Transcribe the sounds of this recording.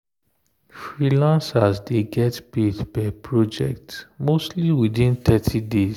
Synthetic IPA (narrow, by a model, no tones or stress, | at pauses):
fɹilãnsasdeɡɛtpedbɛpʰɹɔd͡ʒɛ̰k̚tmostliwidĩnt̪ɛtʰides